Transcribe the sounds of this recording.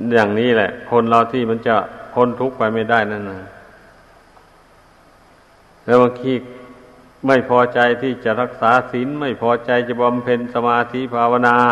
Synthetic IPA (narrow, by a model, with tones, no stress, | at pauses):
jaː˨˩ŋniː˧˥˩lɛ˧˨ʔkʰo˧˥˨nlaː˧˩wt̪ʰiː˧˩ma˧˥nt͡ɕa˧˩kʰo˧˥˨nt̪ʰu˧˦˥k̚pa˧˩jma˥˩jda˧˩jna˧˥˩nɯː˧˩ | lɛː˧˥˩wbaː˧ŋkʰiː˧˥ | ma˥˩jpʰɔː˧t͡ɕa˧jt̪ʰiː˧˩t͡ɕa˧ʔɾa˧˩k̚saː˨˦si˨˦nma˥˩jpʰɔː˧˥t͡ɕa˧jt͡ɕa˧˩ba˧mpʰe˧nsa˧maː˧t̪ʰiː˧˥˨pʰaː˧wa˧naː˧